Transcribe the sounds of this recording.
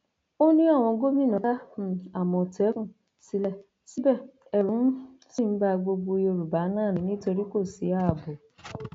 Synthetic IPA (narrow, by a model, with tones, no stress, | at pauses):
o˦nĩ˦ɔ˦˨w̃ɔ̃˨˦ɡo˦mĩ˦nɔ˨a˦˨a˨mɔ̃˨te˨˦kũ˦ | si˦lɛ˦ | si˦bɛ˦˨ | ɛ˨ɾu˨˦m̩˦ | si˦˨m̩˦ba˧˨ɡ͡bo˧ɡ͡bo˧˦jo˦˧ɾu˨ba˨˦naː˦˨nĩ˨nĩ˦to˧ɾi˦ko˦˨si˨˦a˦˨bo˨